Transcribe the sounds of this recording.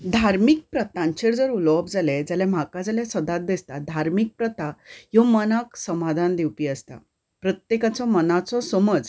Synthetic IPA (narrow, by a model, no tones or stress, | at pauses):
d̪ʱaɾmik̚pɾət̪ãɲt͡ɕeɾd͡zəɾulɔpd͡zaled͡zalɛm̤akad͡zaljɛsəd̪at̪̚d̪est̪ad̪ʱaɾmik̚pɾət̪ajɔmənaksəmad̪ʱand̪ewpiːəst̪a̰ | pɾət̪jekat͡sɔmənat͡sɔsəməd͡z